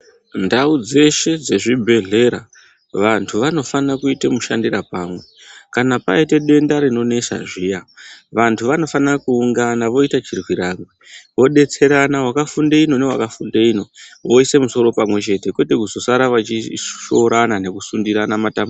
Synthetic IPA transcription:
ndaud͡ze̞ʃe̞d͡ze̞ʐibʱe̞ɮe̞ɾa̰ | ʋantʰuʋano̞fanakuitemuʃandirapamwe̞kanapa̰ite̞ɗe̞ndaɾino̞ne̞ʃa̰ʐijaʋantʰuʋano̞fanrakuːŋɡanaʋo̞itat͡ʃirwiɾaŋwiʋo̞ɗe̞t͡se̞ɾanaɦwakafundeino̞newa̰kafundeino̞ʋo̞ise̞muso̞ɾo̞pamwe̞t͡ʃe̞te̞kwe̞tekuzo̞saɾaʋat͡ʃiʃoɾanane̞kusundiɾanamatambu

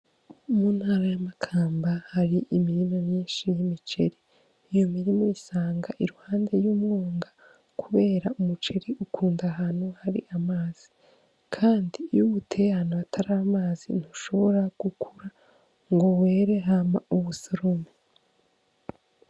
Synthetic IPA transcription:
umuːnhaːɾajamakʰaːmbahaɾiʔimiɾimomɲiːnʃijimit͡ʃe̞ɾiː | jo̞miɾimoisaːŋɡaʔiɾuhaːnde̞juːmuːŋɡa | kʰuβe̞ːɾaumut͡ʃe̞ɾiukʰuːndaɦaːnuhaɾḭʔamaːz̥i | kʰaːndijuβutʰe̞hanaβatʰaɾamaːzḭn̥uʃo̞βo̞ɾaɡ̥ukʰuɾa | ŋɡo̞we̞ːɾe̞ɦamauβusoɾome

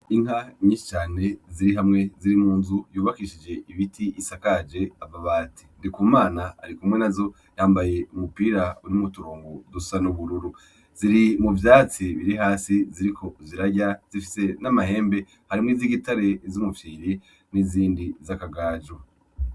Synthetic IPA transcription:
iŋ̥haɲĩːʃi̥t͡ʃaːne̞ziɾiɦamŋe̞ziɾimuːnzujuːβakiʃid͡ʒe̞iβitʰijisakad͡ʒe̞avaβaːti̥ndikuːmaːna̰ːɾikumŋe̞nazo̞ | jaːmbaje̞umupiːɾauɾimutuɾoːŋɡodusanuβuɾuɾu | z̥iɾimuvjaːt͡siβiɾiɦaːsiziɾikʰo̞ziɾaɟaz̥ifise̞namahe̞ːmbe̞ | haɾimŋiːziɡitaɾe̞zumuvjiːɾi | niziːndizakaɡaːd͡ʒo

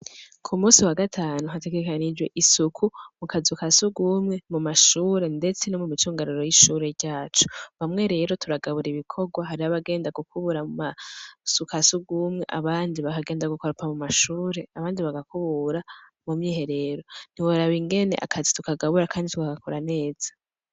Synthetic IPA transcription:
kʰumuːsiwaɡatʰaːnuɦate̞ɡe̞kanid͡ʒwe̞ʔisukʰumukazukasuɡuːmŋe̞mumaʃuːɾe̞nde̞t͡se̞nomumit͡ʃuːŋɡaɾuɾo̞jiʃuːɾe̞ɾɟaːt͡ʃu̥βamŋe̞ɾe̞ːɾo̞tʰuɾaɡaβuɾiβikʰo̞ɡwaɦaɾiaβaɡe̞ːndaɡukʰuβuɾamumasukasuɡuːmŋe̞ʔa̰βaːndiβakaɡe̞ːndaɡukaɾupʰamumaʃuːɾe̞aβaːndiβaɡakuβuɾa | mumɲiːɦe̞ɾe̞ɾo̞n̥iwoɾaβiŋɡe̞ne̞̰ʔa̰kʰazitukaɡaβuɾakaːnditukaɡakʰoɾane̞ːz̥ḁ

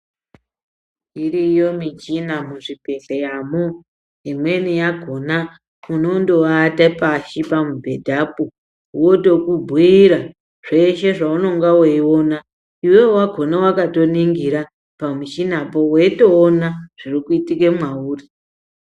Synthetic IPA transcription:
irijo̞mit͡ʃinamuʐipeɬejamu | imwe̞nijaɡʱo̞na | uno̞ndo̞atapaʃipamubʱe̞dʱapo | wo̞to̞kubʱwiiɾa | ʐ̥eʃe̞ʐauno̞ŋɡaweiwona | iwewwaɡʱo̞nawakato̞niŋɡiɾa | pamit͡ʃinapo̞weito̞ːnaʐ̥irikuitikemwauːri

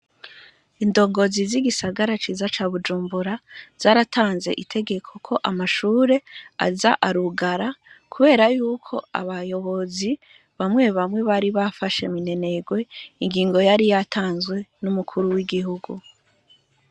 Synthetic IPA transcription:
indo̞ɡo̞ziziɡisaɡaɾat͡ʃizat͡ʃaːβud͡ʒuːmbuɾaz̥aːɾatʰaːnze̞̰ʔitʰe̞ɡe̞kʰo̞kʰo̞ʔamaʃuːɾe̞a̰zaʔaɾuɡaɾakʰuβe̞ːɾajuːkʰo̞a̰βajo̞βo̞zi | βamŋe̞βamŋe̞βaɾiβafaʃe̞̰mine̞ne̞ɡwe̞iŋɡiːŋɡo̞jaɾijatʰaːnzɡwe̞numukʰuɾuwiɡiɦuɡu

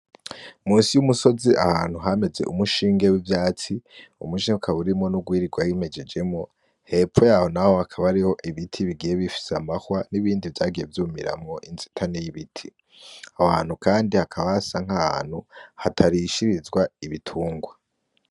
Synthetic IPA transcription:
muːnsijumuso̞ziʔa̰haːnhuɦame̞ze̞̰ʔumuʃiːŋɡe̞wivjaːt͡siṵmuʃiŋukʰaβuɾimŋo̞nuɡwiːɾiɡwajime̞d͡ʒe̞d͡ʒe̞mŋo̞ | he̞p͡fo̞jaːho̞naho̞hakʰaβaɾiho̞ʔiβitʰiβiɡijeβifi̥seamahwaniβiːndivjaːɡije̞vjuːmiɾa̰mŋoʔinzi̥tʰanejiβitʰi | ahaːn̥hukaːndihakʰaβasaŋ̥haha̰ːn̥huhatʰaɾiːʃiɾizɡwaiβitʰuːŋɡwa

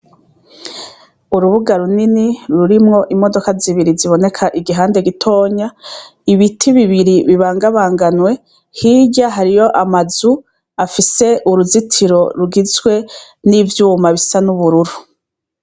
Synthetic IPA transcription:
uɾuβuɡaɾuniniɾuɾimŋo̞ʔimo̞do̞kaziβiɾiziβo̞ne̞kʰaʔiɡiɦaːnde̞ɡitʰo̞ːɲa | iβitʰiβiβiɾiβiβaːŋɡaβaːŋɡanwe̞ | hiɟaɦaɾijo̞ʔamazu | afise̞ʔuɾuzitʰiɾo̞ɾuɡizɡwe̞ | nivjuːmaβisanuβuɾuɾu

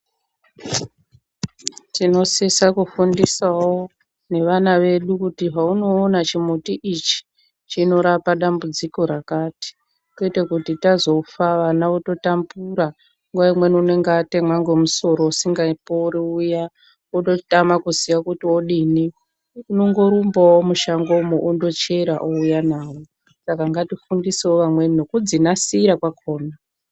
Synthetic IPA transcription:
tino̞sesakufundisawo | ne̞ʋanaʋe̞ɗukutiɦauno̞ːnat͡ʃimutiʔit͡ʃi̥ | t͡ʃino̞ɾapaɗambud͡ziko̞ɾakaːti̥ | keitekutitazo̞faʋanaoto̞tambuɾa | ŋɡwaimwe̞niune̞ŋɡatemwaŋɡemuso̞ɾousiŋɡaipouɾiuja | oɗo̞tamakuziʋakutioɗiːni | unoŋɡo̞ɾumbawomuʃaŋɡo̞moʔundo̞t͡ʃe̞ɾaʔoujanaːʋo | sakaŋɡatifundiseoʋamwe̞nno̞kud͡zinasiːɾakwakʰo̞ːna

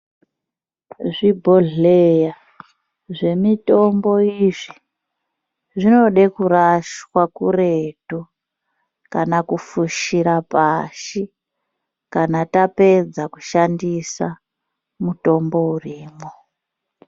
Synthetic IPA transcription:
ʐibʱoɮeja | ʐe̞mito̞mbo̞iʐi | ʐino̞ɗekuraʃwakure̞tu | kanakufuʃiɾapaʃi | kanatape̞d͡zakuʃandisa | muto̞mbo̞uriːmo

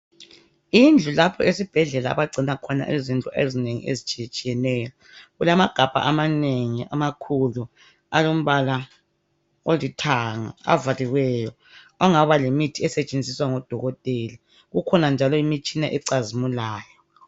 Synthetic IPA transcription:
ind͡ɮʱulapʰɔesib̥ʱɛɮɛla̰ːβaɡ͡ǀʱinakʰɔna̰ʔezint͡ɬʼɔʔezineŋḭʔḛzit͡ʃʼit͡ʃʼijɛnɛːjɔ | ɣulamaɡ̥ʱab̥ʱa̰ʔamaneŋia̰makʰulu | alom̩βala | olitʰaŋa̰a̰valiwɛjɔ | aŋaβalemitʰiɛsɛt͡ʃʼend͡zʱiswaŋɔd̥ʱɔɣɔtʼeli | ɣukʰɔnand͡ʒʱalɔimit͡ʃʼinaʔɛǀazimulaːjɔ

